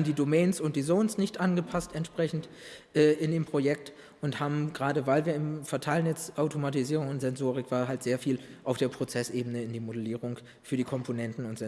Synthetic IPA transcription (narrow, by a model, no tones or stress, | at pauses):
mdiːdomɛːnsʊnt̚d̥iːzoʊnsnɪçtʔanɡəpʰastɛntʃpʁ̥ɛçn̩t | ʔɛːʔɪndeːmpʁ̥ojɛk̚t | ʔʊnthaːbm̩ɡʁaːdəvaɪlviːɐɪmfɛɐtʰaɪlənjɛt͡sʔaʊtʰomatiziːʁ̞ʊŋʊntz̥ɛnzoːʁ̞ɪkv̥aːɦaltz̥eːɐfiːlʔaʊfd̥eːɐpʁ̥ot͡sɛsʔeːbənəɪndiːmodəliːʁʊŋ | fyːɐdiːkʰɔmpʰonɛntn̩ʊntz̥ɛ